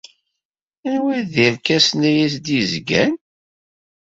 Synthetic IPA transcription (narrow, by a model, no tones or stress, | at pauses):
ænwiðiɾkæsnæjæsd̪izɡæ̰n